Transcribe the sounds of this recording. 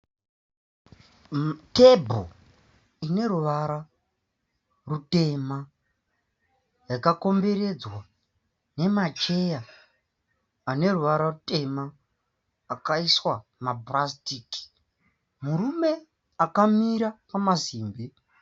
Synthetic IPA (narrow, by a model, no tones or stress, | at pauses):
tebʱo̰ | ine̞ɾuʋaɾa | rute̞ma | rakako̞mbe̞ɾe̞d͡zwa | ne̞mat͡ʃe̞ja | ne̞ɾuʋaɾarute̞maː | kaiswamabrastiːki̥ | muɾume̞ | akamiɾapamaziːmbi